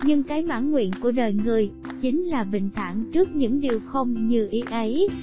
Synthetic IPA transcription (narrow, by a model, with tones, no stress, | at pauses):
ɲɨ˧ŋkaː˨˦jma̰ː˧˩nŋwḭ˧˨ənku˧˩əɗəː˨˩jŋɨ˨˩əj | t͡ɕï˨˦ŋ̟laː˨˩ɓï˨˩ŋ̟t̪ʰa̰ː˧˨ŋt͡ɕɨ˦˥ək̚ɲɨ̰˧˥ŋɗi˨˩əwxə˧wŋ͡mɲɨ˧ʔi˨˦ʔə˨˦j